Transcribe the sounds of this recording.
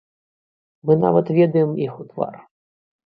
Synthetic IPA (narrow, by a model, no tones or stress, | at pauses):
mɨna̰vɐt̪vʲɛd̪ɐjɛmixut̪va̰r